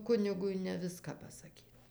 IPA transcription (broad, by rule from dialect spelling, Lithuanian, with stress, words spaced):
ˈkʊnʲɪɡʊɪ nʲɛ ˈʋʲɪskɑː pɐsɐˈkʲiːt